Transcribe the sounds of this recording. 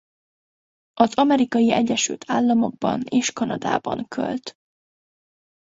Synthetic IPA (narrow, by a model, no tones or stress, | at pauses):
ʔɒzɒmɛɾikɒjiɛɟːɛʃy̰lt̪ʰaːlːɒmo̞ɡ̚bɒ̰neːʃkɒnɒd̪a̰ːbɒ̰ŋkʰø̰lt̪